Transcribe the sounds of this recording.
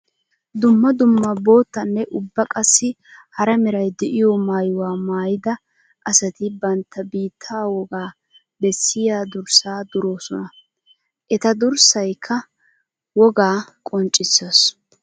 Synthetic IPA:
d̪ʊmːɐd̪ʊmːɐbo̞ːt̪ːɐnːɛʔʊbːɐkʼɐsːɪ | hɐɾɐmɛɾɐjd̪ɛʔɪjɔmaːjʊwaːmaːjɪd̪ɐ | ʔɐsɐt̪ɪbɐnt̪ʰːɐbiːt̪ʰːaːwɔɡaː | bɛsːɪjaːd̪ʊɾsaːd̪ʊɾo̞ːsɔnɐ | ʔɛt̪ɐd̪ʊɾsɐjkʰːɐ | wɔɡaːkʼɔnt͡ʃʼɪsːɐs

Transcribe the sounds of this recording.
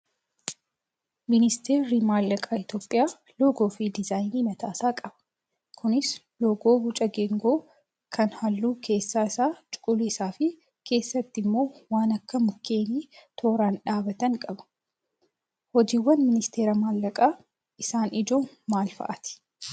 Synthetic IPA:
mɪnɪst̪ʰe̞ːɾimaːlːɐkʼaːɪt̪jo̞ːpʼːɪjaː | loɡoːfidɪzaːjniːmɐt̪aːsaːkʼɐbɐ̥ | kʰʊnɪs | loːɡoːbʊt͡ʃʼɐɡɛŋɡo̞ː | kʰɐnhɐlːuːkʰe̞ːsːaːɪsaːt͡ʃʼʊ̥kʼʊliːsaːfɪ | kʰe̞ːsːɐt̪ːɪmːo̞ːwaːnɐkːɐmʊkːe̞ːniːt̪ʰoːɾaːnᶑaːbɐt̪ɐŋkʼɐbɐ̥ | hɔd͡ʒiːwːɐnmɪnɪst̪ʰe̞ːɾɐmaːlːɐkʼaː | ʔɪsaːnɪd͡ʒo̞ː | maːlfɐ̰ʔɐt̪ɪ̥

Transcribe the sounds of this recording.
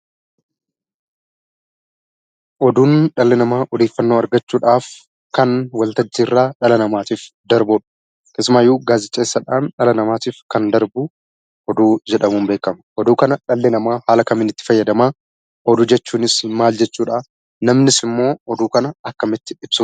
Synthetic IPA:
ʔɔd̪uːnᶑɐlːɛnɐmaːʔɔd̪e̞ːfːɐnːoːɐɾɡɐt͡ʃːuːᶑaːf | kɐnwɐlt̪ɐːirːaːᶑɐlɐnɐmaːt̪iːf | d̪ɐɾbɔːᶑɐ̥ | tɪsmaːjːuːɡaːzɪt͡ʃʼːeːsːɐᶑaːnᶑɐlɐnɐmaːt̪iːfkɐnd̪ɐɾbu | ʔɔd̪uːd͡ʒɛᶑɐmuːmbeːkːɐmɐʔɔd̪uːkɐnɐᶑɐlːɛnɐmaːhaːlɐkɐmɪnɪt̪ːɪ̥fɐjːɐd̪ɐmaː | ʔɔd̪uːd͡ʒɛt͡ʃːuːnɪsmaːld͡ʒɛt͡ʃːuːᶑaː | nɐmnɪsɪmːo̞ːɔd̪uːkɐnɐɐkːɐmɪt̪ːɪ̥ᶑɪb̥sʊ

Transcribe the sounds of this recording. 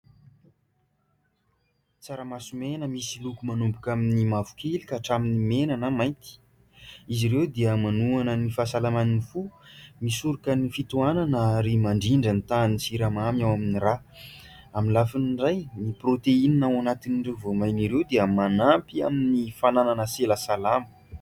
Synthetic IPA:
t͡saɾəmasumenəmisilukumanumbukaminimavu̥kʰelikaʈ͡ʂaminimenanəmajnt̪i̥ | iziɾewd̪eəmanuanənifasalamaninifumisuɾukənifit̪uananaɾimaɳɖ͡ʐiɳɖ͡ʐənt̪anisiɾamamawaminira | aminlafinɳɖ͡ʐajniprot̪eininawanat̪iniɳɖ͡ʐewvomajniɾewd̪eəmanampia̰minifanananəseləsalamə̥

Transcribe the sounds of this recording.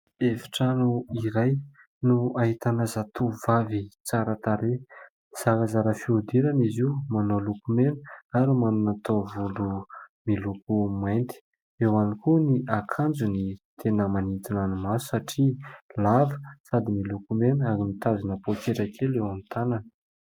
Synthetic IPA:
evi̥ʈ͡ʂanuiɾaj | nuaɦit̪anazat̪ʰuvavit͡saɾət̪aɾe | z̥akazaɾəfiud̪iɾaniziumanolukumenə̥aɾumanunat̪ovulumilukumajnt̪i̥ | ewanikuniʔakʰand͡zunit̪ʰenəmanit̪inanumasu̥saʈ͡ʂilavə̥sad̪imilukumenaɾimit̪azinəpokeʈ͡ʂakʰelewamit̪ananə

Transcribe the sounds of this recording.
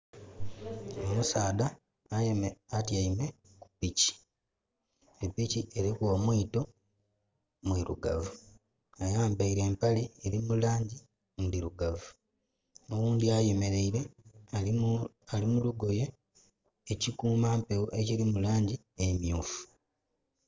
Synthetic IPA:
o̞musaːdaː | atjaime̞ | ku̥pici̥ | epiciʔe̞ɾikomwiːto̞ | mwiɾuɡa̰vu | ajaːmbaiɾe̞ːmpalieɾimulaːɲɟi | ndiɾuɡavu | nowuːndiaje̞me̞ɾe̞iɾe̞ | alimuluɡo̞jeː | cikuːmaːmpewuʔe̞ciɾimulaːɲɟi | emjuːfu̥

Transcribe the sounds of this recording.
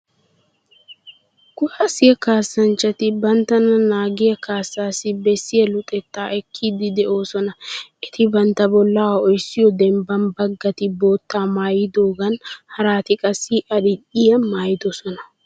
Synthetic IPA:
kʊhɐsɪjɐkaːsːɐnt͡ʃːɐt̪ɪbɐnt̪ːɐnɐnaːɡɪjɐkaːsːaːsɪbɛsːɪjɐlʊt̪ʼɛt̪ːaːʔɛkʰːiːd̪ɪd̪ɛʔo̞ːsɔnɐʔɛt̪ɪbɐnt̪ːɐbɔlːaːwɔjsːɪjɔd̪ɛmbɐnbɐɡːɐt̪ɪbo̞ːt̪ʰːaːmaːjɪd̪o̞ːɡɐnhɐɾaːt̪ɪkʼɐsːɪʔɐɗɪᶑɪjɐmaːjɪd̪ɔsɔnɐ

